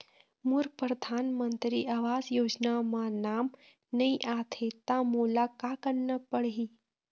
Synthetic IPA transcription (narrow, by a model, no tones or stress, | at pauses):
muɾpɾəd̪ʱaːnmənt̪ɾiʔaʋaːd͡zjoːd͡ʒnamanaːm | nəiʔat̪ʰet̪amolakakənːəpəɽɦi